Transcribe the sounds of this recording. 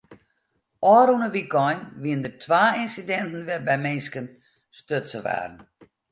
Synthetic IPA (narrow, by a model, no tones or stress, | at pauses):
ʔɔːɾunəʋiɡɔjnʋiəndətʰʋaːɪnsidɛntn̩ʋɛbɛmɪnskən | støtsəʋa̰ːdn̩